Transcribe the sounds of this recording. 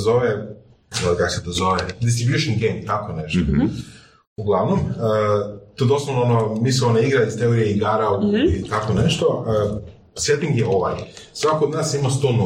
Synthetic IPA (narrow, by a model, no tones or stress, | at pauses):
zoʋe | kakosed̪ozoʋed̪ist̪ɾibjuʃonɡejmt̪akoneʃt̪o | uɡlˠaʋnomət̪oed̪oslonoonomisionaiɡɾaist̪eoɾijeiɡaɾauit̪akoneʃt̪oə | set̪iŋɡjeoʋa̰jsʋakood̪naːsimast̪oːn